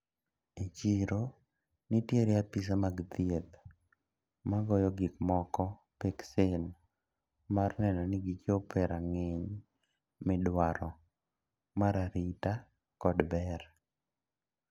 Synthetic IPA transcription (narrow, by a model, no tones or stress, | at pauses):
et͡ʃiɾo | nɪtjeɾɪapis̬amaɡd̪iet̪ | maɡɔjɔɡɪkmɔkɔ | peksen | marnɛnɔnɪɡit͡ʃopɛɾaŋeɲ | mɪdwaɾɔ | maɾaɾita | kɔdbɛr